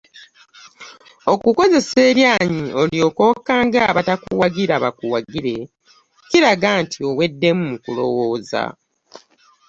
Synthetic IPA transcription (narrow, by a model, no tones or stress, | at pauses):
o̞kuko̞ze̞se̞ːɾjaːɲio̞lio̞ko̞kaːŋɡaːβatakuwaɡiɾaβakuwaɡiɾe̞ | ciɾaɡaːntʰio̞we̞dːe̞mumukulo̞̰wo̞ːza̰